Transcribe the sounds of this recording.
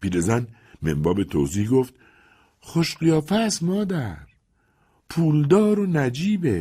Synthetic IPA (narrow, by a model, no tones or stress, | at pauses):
b̥iːd̪ezæn | mḛmbɒːbet̪ʰo̰ːziːhɡoft̪ | χoʃɢijɒːfæsmɒːd̪æɾ | pʰuːld̪ɒːɾonæd͡ʒiːbe